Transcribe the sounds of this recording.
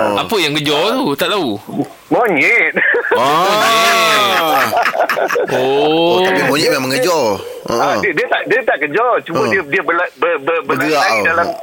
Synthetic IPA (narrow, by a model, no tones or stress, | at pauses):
apəjaŋɡəd͡ʒɔt̪ut̪aʔt̪au | moɲɛt̪̚a | ʔooabimoɲiʔmaməŋəd͡ʒɔ | ʔə̰̃ʔdiədiət̪aʔdiət̪aʔkəd͡ʒɔt͡ʃubəiədiəbəlabəbəbəlɡəawdalam